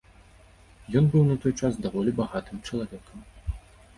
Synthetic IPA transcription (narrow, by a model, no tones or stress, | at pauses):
jɔnbɨwnɐt̪ɔjt͡ʃasd̪ɐvɔlʲɪbɐɣat̪ɨmt͡ʃɐlˠɐvʲekəm